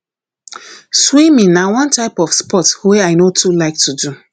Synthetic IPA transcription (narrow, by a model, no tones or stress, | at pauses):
swĩmĩnawɔ̃ntaɪpɔfspɔtweaɪnotulaɪk̚tudu